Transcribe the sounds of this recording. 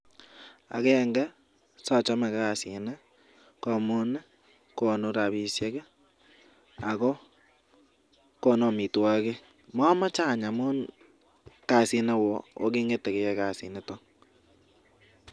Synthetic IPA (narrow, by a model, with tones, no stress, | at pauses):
a̰˨ɣeː˦ŋɡɛ˦ | sa˦˨t͡ʃo˦ma˨ɣa˦˨si˨ne˦ | ko˦mo˦ne˦ | ko˦no˦ɾa˨βi˦sje˦ɣe˦ | a˨ɣo˦ | ko˦no˦˨mi˨twa˦ɣe˦ | ma˦ma˦t͡ʃa˦˨ɲa˨mo˦n | ka˦˨si˦ne˦wo˨o̰˦ɣe˦ŋɡe˦te˨ɣe˨je˦ɣa˨si˨ne˦to˦